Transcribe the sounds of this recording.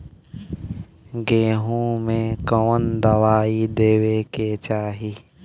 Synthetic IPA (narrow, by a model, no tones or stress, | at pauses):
ɡeːɦũmẽkəwənd̪əwaːid̪eːweket͡ʃaːɦi